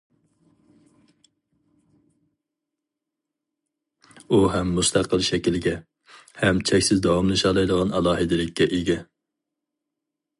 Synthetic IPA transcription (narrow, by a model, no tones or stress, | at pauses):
uɦɛmːust̪ʰæqəlˠʃɛkʲilɡʲɛ | hɛmt͡ʃʰɛkʲsɪzd̪ɑwɑmlˠɨʃɑlˠɑjd̪əʁɑnɑlˠɑːɦɨd̪ɪlɪkʲʰːɛʔiɡʲɛ